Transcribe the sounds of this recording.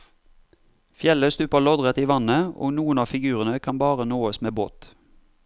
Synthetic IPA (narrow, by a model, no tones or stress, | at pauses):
fjɛləst̪ʉːpəlɔd̪ʁət̪iːʋɑnəo̰ːnuːənɑːfɪɡʉːʁənəkʰɑnbɑːʁənoːəsmeːbo̰ːt̪